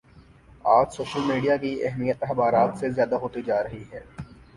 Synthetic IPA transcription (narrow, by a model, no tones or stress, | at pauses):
aːd͡ʒsoːʃəlmiːɖijakiɛ̰ɦmijət̪ɛxbaːɾaːt̪sezjaːd̪aɦoːt̪id͡ʒaːɾɐɦiɦɛː